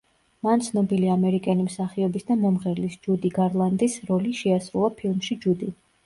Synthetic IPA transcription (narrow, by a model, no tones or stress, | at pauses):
mant̪sʰnɔbiliamɛɾikʼɛnimsaχiɔbisd̪amɔmʁɛɾlisd͡ʒud̪iɡaɾlˠand̪isɾɔliʃɛasɾulˠapʰilˠmʃid͡ʒud̪i